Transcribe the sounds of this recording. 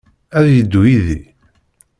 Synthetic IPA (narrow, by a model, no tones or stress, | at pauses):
æðjəd̪ːujiði